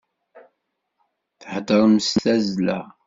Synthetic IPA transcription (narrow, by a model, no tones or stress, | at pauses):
θħəd̪əɾˤəmsθæzlæ̰